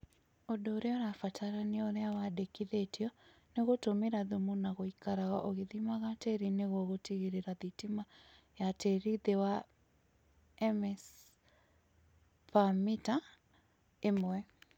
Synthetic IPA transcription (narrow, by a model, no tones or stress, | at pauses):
odoːɾeɔɾafatʰaɾaneoɾeawadekiðetiɔ | neɣotomeɾaðumunaɣoikaɾaɣaʔoɣeðimaɣateɾineɣɔɣotiɣiɾeɾaðitima | jateɾiðewa | ɛmɛs | pamita | emwɛ